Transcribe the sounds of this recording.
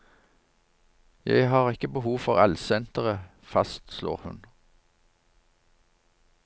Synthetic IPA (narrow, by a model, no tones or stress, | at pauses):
jæ̰ɪhɑːʁɪkəbəhuːʋfɔʁælsɛnt̪əʁə | fɑst̪slo̰ːʁhʉ̰n